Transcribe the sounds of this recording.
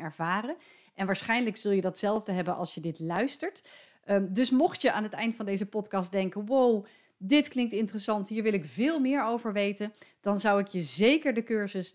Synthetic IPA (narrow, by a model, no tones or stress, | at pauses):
ɛɹv̥aːrə | ʔɛnʋaːɹsχɛjnləksɵlˠjədɑtsɛlˠvdəɦɛbənʔɑlˠsjədɪtlœɥstəɹt | dɵsmɔχtjəʔaːnɦətɛjntfɑndejzəpɔtkɑsdɛŋkənʋow | dɪtklɪŋk̚tɪntərəsɑntɦiːɹʋɪlˠɪkvɪːlˠmɪːɹowvəɹʋejtənd̥ɑnzʌwɪkjəzejkəɹdəkøɹzəs